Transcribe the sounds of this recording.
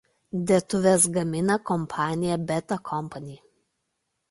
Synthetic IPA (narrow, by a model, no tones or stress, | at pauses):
d̪ʲɛt̪ʊʋʲɛsɡɐmʲɪnɐkɔmpʰɑːnʲɪjɛbʲɛt̪ɐkʰɔmpɐnʲiː